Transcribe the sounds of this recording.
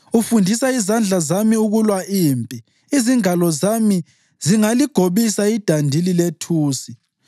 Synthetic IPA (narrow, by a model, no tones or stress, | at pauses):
ufundʱisaizand͡ɮʱazamiuɣulwaʔiːmpʼi | iziŋalɔzami | ziŋaliɡ̥ʱoβisaid̥ʱandʱililetʰuːsi